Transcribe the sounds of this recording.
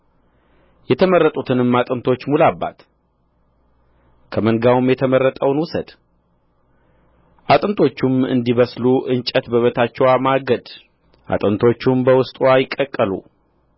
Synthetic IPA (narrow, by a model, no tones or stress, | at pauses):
jɛt̪ʰəmərːət̪ʼut̪ʰɨnɨmːat̪ʼɨnt̪ʰo̞t͡ʃːmulabːa̰t̪ | kʰəməŋɡawmjɛt̪ʰəmərːət̪ʼəwnwʊsəd̪̥ | ʔat̪ʼɨnt̪ʰo̞t͡ʃːumɨ̰nd̪iβəsluʔɨnt͡ʃʼət̪bəβət̪ʰat͡ʃːɛwamaɡəd̪ | ʔa̰t̪ʼɨnt̪ʰo̞t͡ʃːumbəwʊst̪ʼwajɪkʼːəkʼːəlṵ